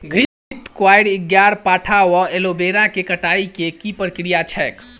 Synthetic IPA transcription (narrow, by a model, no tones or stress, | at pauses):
ɡʱɾi | t̪kwajɽɪɡjaɾpaːʈʰawɔelobeɾãkekəʈaikekipəɾkɾijat͡ʃʰɛk